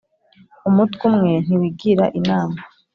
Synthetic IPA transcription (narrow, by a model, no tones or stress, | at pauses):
umutumŋe̞n̥iwiɡiɾaʔinaːma